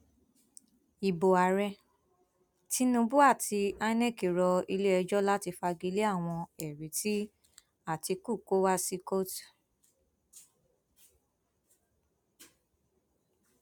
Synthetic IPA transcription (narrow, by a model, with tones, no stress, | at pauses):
i˨bo˨a˨ɾɛ˧ | ti˦nũ˧bu˦a˦˨ti˧a˧nɛ̃˦˨ki˨ɾɔ˧i˧le˦ɛ˧d͡ʒɔ˦la˦ti˧fa˧ɡi˧le˦a˦˨w̃ɔ̃˧ɛ˨ɾi˨˦ti˦ | a˦˨ti˧ku˦˨ko˦wa˦si˦ko˦t